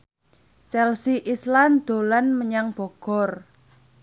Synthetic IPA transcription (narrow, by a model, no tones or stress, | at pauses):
t͡ʃɛlsiʔisland̪̥o̤lanməɲaŋb̥ɔ̤ɡ̥ɔ̤r